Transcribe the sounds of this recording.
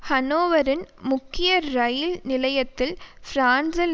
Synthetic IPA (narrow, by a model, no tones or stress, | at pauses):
hɐnoːʋɐɾɪnmʊkːɪjɐɾɐjɪlnɪlɐjɐt̪ːɪlfɾaːnsɐl